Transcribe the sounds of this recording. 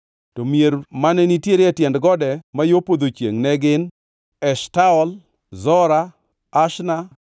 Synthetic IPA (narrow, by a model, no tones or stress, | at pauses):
tɔmjeɾmanɛnitjeɾɛtjɛndɡɔdɛmajopod̪ot͡ʃjḛŋnɛɡɪn | ɛʃtaɔl | zɔɾa | aʃna